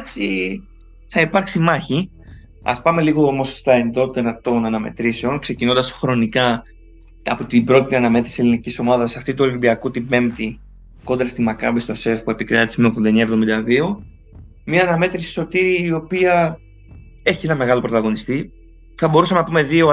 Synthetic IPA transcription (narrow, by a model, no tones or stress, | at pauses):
si | θɐipɐɾksimɐçi | ɐ̰spɐme̞liɣo̞omo̞sst̪ɐe̞nðo̞t̪eɾɐt̪o̞nɐnɐme̞̰t̪ɾise̞o̞nkse̞cino̞nd̪ɐsxɾo̞nikɐ | ɐ̰pot̪ibɾo̞t̪it̪iɐnɐme̞t̪ɾise̞liniciso̞mɐðɐsɐft̪it̪uolibiɐkut̪ibe̞mt̪i | ko̞nd̪ɾɐst̪imɐkɐ̰bist̪o̞se̞fpue̞pikɾɐt̪ismeokðond̪e̞ɲɐevðomind̪ɐðio̞ | miɐːnɐme̞t̪ɾisi̥so̞t̪iɾiːo̞piɐ | e̞çienɐme̞ɣɐlopɾo̞t̪ɐɣo̞nist̪i | θɐbo̞ɾusɐmenɐpume̞ðio̞